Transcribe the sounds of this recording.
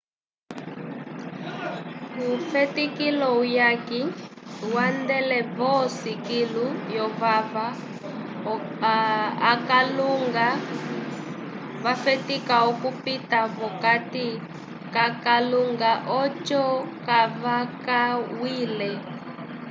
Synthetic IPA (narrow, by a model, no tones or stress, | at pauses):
kufɛtikilɔujakiwandɛlɛβɔsikilujɔβava | kluŋɡa | βafɛtikaɔkupitaβɔkati | kakaluŋɡaʔɔt͡ʃɔkaβakawiːlɛ